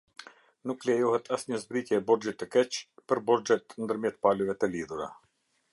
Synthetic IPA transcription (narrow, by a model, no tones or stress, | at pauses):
nuklɛjɔɦɛt̪ʰasɲəzbɾicjɛːbɔɾd͡ʒit̪ːəkɛt͡ʃpəɾbɔɾd͡ʒɛt̪nd̪əɾmjɛt̪̚palɛvɛt̪əliðuɾa̰